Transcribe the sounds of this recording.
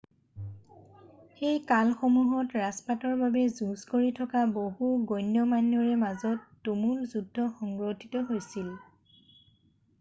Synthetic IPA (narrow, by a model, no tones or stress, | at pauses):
xejkalxomuɦɔtɹaspatɔɹbabɛzuzkoɹitʰɔkaboɦuɡojnjɔmanjɔɹɛmazɔtːumulzudʱːɔxɔŋɡɹotʰitɔɦojsil